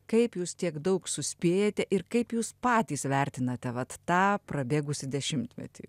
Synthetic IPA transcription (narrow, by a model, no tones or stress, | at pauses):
kɐɪpjuːst̪ʲiɛɡd̪ɐʊksʊsʲpʲeːjɛt̪ʲɛʔɪɾkɐɪpjuːspɑːt̪ʲiːsʋʲɛrʲt̪ʲɪnɐt̪ʲɛʋɐt̪ːɑːprɐbʲeːɡʊsʲɪd̪ʲɛʃʲɪmʲt̪ʲmʲɛ̰t̪ʲḭː